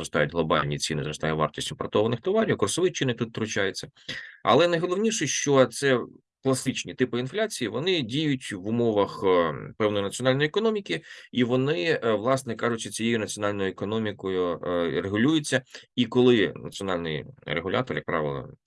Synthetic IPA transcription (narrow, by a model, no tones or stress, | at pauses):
ɾɔst̪ɑjʊtʲɦlˠɔbɑ̰lʲnʲit͡sʲinɪzɾɔst̪ɑjɛʋɑ̰rtʲisʲinpɔrt̪ɔʋɐnɪxt̪ɔʋɑɾʲiwkɔsɔʋɪt͡ʃɪinʲkt̪ut̪t̪ɾʊt͡ʃɑjet͡sʲːɐɐ̰lˠɛnɐjɦɔlˠɔʋnʲiʂɛʃt͡ʃɔt̪sɛ | klˠɐst̪ɪt͡ʃnʲit̪ɪpɪinflʲat͡sʲijiʋɔnɪdʲijʊtʲʋʊmɔʋɐxpɛwnɔjnɐt͡sʲiɔnɑlʲnɔjːekɔnɔmʲikʲiiʋɔnɪʋlˠɑsnɛkɑʐʊt͡ʃʲːɐt͡sʲijejʊnɐt͡sʲiɔnɑlʲnɔjʊekɔnɔmʲikɔjʊreɦʊlʲujʊt͡sʲːɐikɔlˠɪnɐ̰t͡sʲiɔnɑlʲnɪjreɦʊlʲa̰t̪ɔrjɐkpɾɑ̰ʋɪlˠɐ̰